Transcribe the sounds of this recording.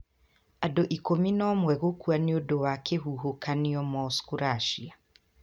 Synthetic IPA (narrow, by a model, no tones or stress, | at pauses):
adoʔikominɔmwɛɣokuaniodowakʰeɦuɦokaniɔmɔskoɾaʃia